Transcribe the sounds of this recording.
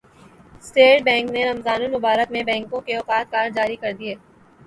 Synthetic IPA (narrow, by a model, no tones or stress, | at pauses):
sʈeːʈ̚bɛ̃ːŋkneɾɐmzaːnunʊbaːɾət̪mẽbɛ̃ːŋkõkeɔːqaːt̪̚kaːɾd͡ʒaːɾikɐɾd̪ieː